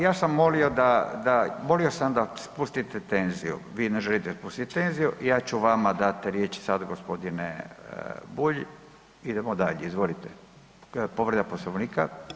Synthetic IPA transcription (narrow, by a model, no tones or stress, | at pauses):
jaːsamːo̞lio̞d̪ad̪amo̞lio̞samd̪aspust̪it̪et̪e̞nzijṵʋiːneʒelit̪ed̪aspust̪it̪t̪e̞nzijuʔijaːt͡ɕuʋamad̪at̪ɾje̞t͡ʃsad̪aɡospo̞d̪ine | buʎ | id̪emod̪aʎeizʋo̞lit̪e | po̞ʋɾed̪aposloʋniːka